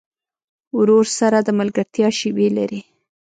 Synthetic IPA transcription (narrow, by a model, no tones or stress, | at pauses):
ɾoɾsaɾad̪əmalɡaɾt̪jɑʃiwela̰ɾi